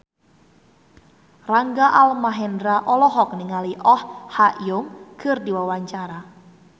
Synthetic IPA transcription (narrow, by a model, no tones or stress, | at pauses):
raŋɡaʔalmaɦɛndɾaʔɔlɔɦɔk̚niŋaliʔɔhhaʔjʊmkʰərdiwawaɲt͡ʃaɾa